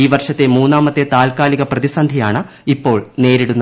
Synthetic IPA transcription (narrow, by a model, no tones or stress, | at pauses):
iːʋɐrʂɐt̪ːe̞muːnːaːmɐt̪ːet̪aːlkaːliɣɐprɐðisɐnd̪ʱijaːɳɨ | ipːo̞ːɭne̞ːɾiɽunːɐ